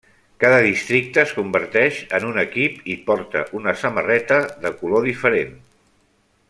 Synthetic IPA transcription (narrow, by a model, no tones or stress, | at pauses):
kaðəðist̪ɾik̚t̪əskumbəɾt̪ɛʃənunəkipipɔɾt̪ə̰ʔunəsəmərɛt̪əðəkuloðifəɾen